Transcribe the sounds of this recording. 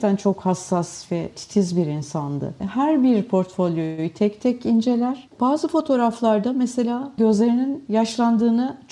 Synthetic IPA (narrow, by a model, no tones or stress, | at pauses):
t̪ʰænt͡ʃʰo̞khasːasvɛt̪ʰi̥t̪ʰizbiɾinsand̪ɯ̰hæɾbiɾpʰo̞ɾt̪fo̞lʲˠjo̞jyt̪ʰɛct̪ʰɛcind͡ʒe̞lʲæɾ̥b̥aːzɯfo̞t̪ʰo̞ɾaflˠaɾd̪amɛse̞lʲaːɟø̞zlʲe̞ɾininjaʃlˠand̪ɯːnɯt͡ʃʰ